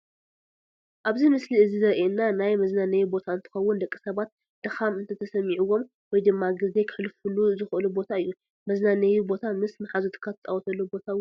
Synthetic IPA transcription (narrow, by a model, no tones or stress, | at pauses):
ʔaβzimɨsliɨzizɨɾʔeɨnːanajmɐznanɐjubo̞t̪ʰaɨnt̪ʰɨ̥xɐwːʊnd̪ɐkʼːi̥sɐβat̪̚ | d̪̥ɨxamɨnt̪ʰɐt̪ʰɐsɐmiʕuwo̞m | wɔjd̪ɨmːaɡɨze̞kʰɨħɨlfɨluzɨxɨʔɨlubo̞t̪ʰaɨjːu | mɐznanɐjubo̞t̪ʰamɨsmɨħazut̪ʰɨ̥kʰːat̪ʰɐ̥t͡sʼawɔt̪ʰɐlːubo̞t̪ʰaw